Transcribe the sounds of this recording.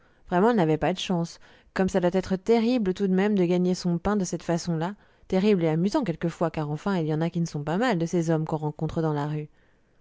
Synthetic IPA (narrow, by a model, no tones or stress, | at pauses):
vʁɛmɑ̃navɛpad̪əʃɑ̃s | kɔmsad̪wat̪ɛt̪χət̪eʁiblət̪ud̪mɛmd̪əɡaɲesɔ̃pɛ̃d̪əsɛt̪fasɔ̃la | t̪eʁibleamyzɑ̃kʲɛlkəfwakaʁɑ̃fɛ̃iljɑ̃nakʲinəsɔ̃pamald̪əsezɔmkɔ̃ʁɑ̃kɔ̃t̪χəd̪ɑ̃laʁy